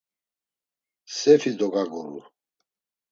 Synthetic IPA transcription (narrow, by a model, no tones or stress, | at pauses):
sɛfid̪ɔɡaɡɔɾṵ